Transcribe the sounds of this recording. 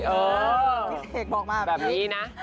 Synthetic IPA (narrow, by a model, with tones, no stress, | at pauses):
ʔəː˨˩˦ | eː˨˩k̚mɔː˨˩k̚maː˧˩bɛː˨˩p̚niː˨˦˥na˦˥